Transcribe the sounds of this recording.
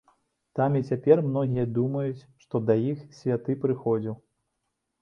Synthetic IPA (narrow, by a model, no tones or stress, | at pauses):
t̪amit͡sʲapʲɛrmnɔɣʲijɐd̪umɐjut͡sʲʂt̪ɔd̪ɐjixsʲvʲat̪ɨpɾɨxɔd͡zʲiw